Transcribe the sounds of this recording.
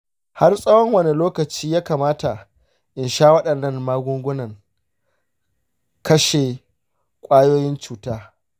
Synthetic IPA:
ha˦rsʼɐ˦wɔ˦ŋwɐ˦ne˨loː˦kɐ˨t͡ʃiː˦jaː˦kaː˨maː˦ta˨ | ʔɪ˨nʃaː˦wɐ˦ɗɐ˨nːɐ˦nmaː˦ɡʷʊ˦ŋɡʷʊ˦nɐ˨ŋ | kɐ˦ʃe˨ | kʷʼaː˦joː˦jɪ˦nt͡ʃuː˦taː˦

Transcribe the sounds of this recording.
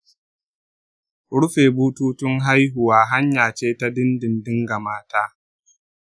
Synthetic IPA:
ɽʊ˦ɸeː˨buː˦tuː˦tʊ˦ŋɦa˦jɦʊ˨waː˦ɦa˦ɲjaː˨t͡ʃeː˦ta˦dɪ˦ndɪ˨ndɪ˦ŋɡa˨maː˦taː˦

